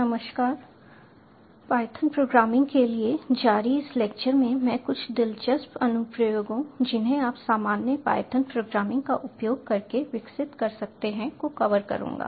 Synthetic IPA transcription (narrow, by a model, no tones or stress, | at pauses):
nɐməʃkaːɾ | paːjt̪ʰənpɾoːɡɾaːmɪ̃ŋɡkelied͡ʒaːɾiɪsleːk̚t͡ʃəɾmẽmɛ̃ːkʊt͡ʃʰd̪ɪlt͡ʃəsbɐnʊpɾəjoːɡɦũd͡ʒɪnɦẽaːpsaːmaːnjəpa̰ːjt̪ʰənpɾoːɡɾaːmɪ̃ŋɡkaʔʊpjoːɡ̚kɐɾkeʋɪksɪt̪kɐɾsɐk̚t̪eɦɛ̃koxɐʋəɾkɐ̰ɾṵ̃ːŋɡa̰ː